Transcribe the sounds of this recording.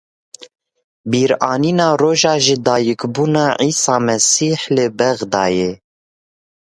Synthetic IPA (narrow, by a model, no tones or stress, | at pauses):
biːɾɑːniːnɑːroːʒɑːʒɪd̪ɑːjɨkbuːnɑːʕiːsɑːmɛsiːħlɨbɛɣd̪ɑːje